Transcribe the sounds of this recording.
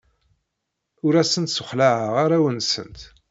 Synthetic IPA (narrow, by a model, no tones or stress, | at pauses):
ʊɾæsənt̪sʊχlaʕəʁaɾæwənsə̰nt̪